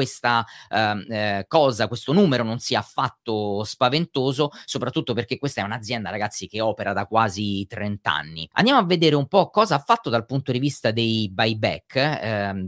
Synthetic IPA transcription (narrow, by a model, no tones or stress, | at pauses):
west̪a | kɔːzakwest̪onuːmeɾononsiafːat̪ːospavent̪oːzosopɾat̪ːut̪ːoperk̟ekːwest̪aɛunad̪zjɛnd̪aɾaɡat̪sːikeɔːpeɾad̪akwaːzit̪ɾent̪a̰nːḭa̰nd̪jamoavːed̪eːɾeumpɔkːɔːzaafːat̪ːod̪alpunt̪od̪ivist̪ad̪ejbajbɛ̰kʰː